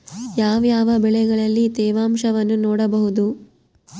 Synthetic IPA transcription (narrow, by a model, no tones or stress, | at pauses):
jaːʋjaːʋɐbɛɭɛɡɐɭɐlːit̪ɛːʋaːmʂɐʋɐnːunoːɽɐbɐɦud̪u